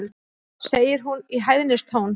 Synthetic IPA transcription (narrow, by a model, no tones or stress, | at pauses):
l | seːjɪɾ̥ɦuniɦajðnɪst̪ʰoːwn